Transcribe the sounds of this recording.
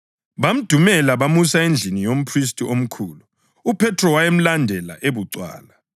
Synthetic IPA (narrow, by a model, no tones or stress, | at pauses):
βam̩d̥ʱumɛlaβamusaend͡ɮʱinijom̩pʰris̬tʼiom̩kʰuːluː | pʰɛtʰrɔwajem̩landʱɛla̰ʔeβuǀwa̰ːla